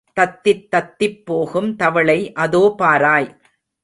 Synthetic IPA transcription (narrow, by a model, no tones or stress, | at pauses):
t̪ɐt̪ːɪt̪ːɐt̪ːɪpːoːɣɯmt̪ɐʋɐɭɐɪʔɐðoːpaːɾaːj